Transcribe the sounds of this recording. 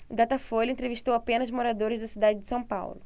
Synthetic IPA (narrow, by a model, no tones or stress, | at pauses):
ɡ̪at̪ɐfolɪẽnt̪ɾeviʃt̪owapẽnɐzmoɾad̪oɾɪzd̪ɐsid̪ad͡ʒɪd͡ʒɪsɐ̃w̃pa̰wlʊ